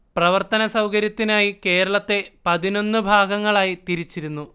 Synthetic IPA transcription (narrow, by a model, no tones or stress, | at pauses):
prɐʋɐrt̪ɐnɐsɐwkɐɾjɐt̪ːinaːjike̞ːɾɐɭɐt̪ːe̞pɐðino̞nːɨbʱaːɡɐŋːɐɭaːjit̪iɾit͡ɕːiɾunːu